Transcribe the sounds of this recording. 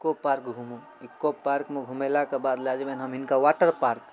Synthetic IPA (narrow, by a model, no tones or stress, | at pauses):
kːopaːɾkɡʱuːmu | ɪkːopːaːɾkmẽɡʱumelakebaːd̪laːd͡ʒemenɦɐmɪnkaʋaːʈəɾpaːɾk